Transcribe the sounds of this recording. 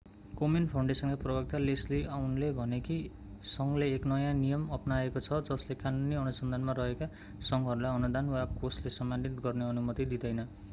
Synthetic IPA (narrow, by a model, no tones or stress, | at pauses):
kominpʰaw̃ɳɖesʌnkaprʌbʌk̚t̪alesliʔawnlebʱʌneki | sʌŋɡleːknʌjãnijʌmʌpnaekot͡sʰʌd͡zʌslekanuniʌnusʌnd̪ʱanmarʌɦeka | sʌŋɡɦʌɾulajʌnud̪anwakoslesʌmbʱanit̪ɡʌrneʌnumʌt̪id̪id̪ʌjnʌ